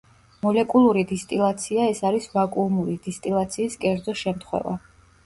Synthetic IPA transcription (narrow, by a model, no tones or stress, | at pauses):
mɔlɛkʼulˠuɾid̪ist̪ʼilˠat̪sʰiaɛsaɾisvakʼumuɾid̪̥ist̪ʼilˠat̪sʰiːskʼɛɾd̪zɔʃɛmt̪ʰχwɛ̰va̰